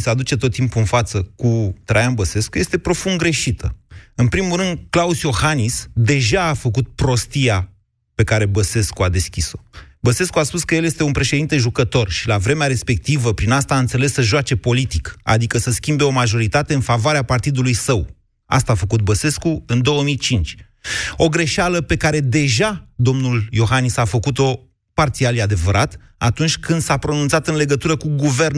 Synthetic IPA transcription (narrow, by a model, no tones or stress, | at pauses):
sad̪ut͡ʃe̞t̪o̞t̪ːimpuɨnfat̪səkut̪ɾajanbəse̞skuje̞st̪e̞pɾo̞funɡɾe̞ʃit̪ʰəɨnpɾimuɾɨnd̪klausjo̞hanisd̪e̞ʒaːfəkut̪̚pɾo̞st̪ija | pe̞kaɾe̞bəse̞skuad̪e̞skʲiso̞bəse̞skuaspuskəjelje̞st̪e̞unpɾe̞ʃed̪int̪e̞ʒukət̪o̞rʃilavɾe̞meaɾe̞spe̞k̚t̪ivəpɾinast̪aːɨnt̪se̞le̞sːəʒat͡ʃe̞po̞lit̪ika̰d̪ikəsəskʲimbe̞o̞maʒo̞ɾit̪at̪eɨnfavoaɾeapart̪id̪ulujsəw | a̰st̪aːfəkut̪̚bəse̞skuɨnd̪o̞wəmijt͡ʃint͡ʃʲ | o̞ɡɾe̞ʃaləpe̞kaɾe̞d̪e̞ʒad̪o̞mnuljo̞ɦanisafəkut̪o̞ | part̪sialjad̪e̞vəɾat̪ | at̪unt͡ʃʲkɨnd̪sapɾo̞nunt̪sat̪ɨnle̞ɡət̪uɾəkuɡuve̞rn